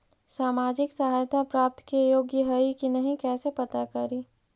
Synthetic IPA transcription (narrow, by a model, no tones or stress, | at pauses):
saːmaːd͡ʒɪksɐɦaːjt̪ʰapɾaːp̚t̪kejoːɡjəɦəikinɐɦĩkɛːsepɐt̪akɐɾi